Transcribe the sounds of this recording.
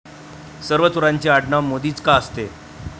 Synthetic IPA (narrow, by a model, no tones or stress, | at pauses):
səɾʋət͡suɾaɲt͡ɕeaɽɳamod̪iːt͡skaəst̪e